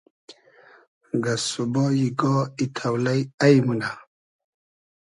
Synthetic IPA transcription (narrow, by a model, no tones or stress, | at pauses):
ɡasubɔjiɡɔit̪ʰawlajajmunda